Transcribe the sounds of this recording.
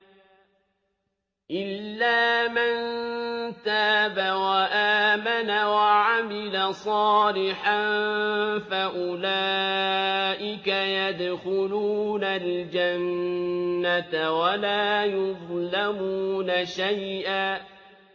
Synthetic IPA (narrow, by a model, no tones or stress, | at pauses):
ʔɪlːaːmann | t̪aːbawaʔaːmanawaʕamɪlasˤɑːlɪħan | faʔʊlaː | ʔɪkajad̪xʊluːnald͡ʒanː | at̪awalaːjʊðˤlamuːnaʃajʔaː